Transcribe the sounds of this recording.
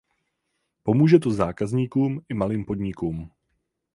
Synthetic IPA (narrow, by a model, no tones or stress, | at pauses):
po̞muːʒɛt̪ozaːkazɲiːkuːmɪmaliːmpo̞d̪ɲɪkuːm